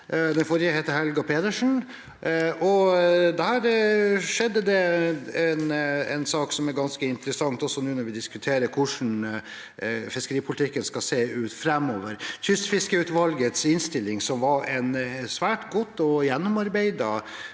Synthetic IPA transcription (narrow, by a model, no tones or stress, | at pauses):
d̪ɛnfɔɾjəheːt̪əɦɛlɡɑpʰeːt̪əʂn̩ | ʔɔd̪æːɾʂɛd̪ːəd̪ɛɛnɛ̰ɪnsɑːksɔmæɾɡɑnskəɪnt̪ɾəsɑŋt̪ɔsɔnʉːnɔɾʋɪd̪ɪskʉt̪ʰeːɾəkʰʊʂn̩ | fɪskəɾiːpʰʊlɪt̪ɪkːənskɑseːʉːt̪fɾɛmːoːʋəɾt̪ʰʏst̪fɪskəʉːt̪ʋɑlɡət̪sɪnst̪ɪlːɪŋsɔmʋɑɾɛnsʋæːʈɡɔt̪ːɔjɛnːɔmɑɾbeɪd̪ə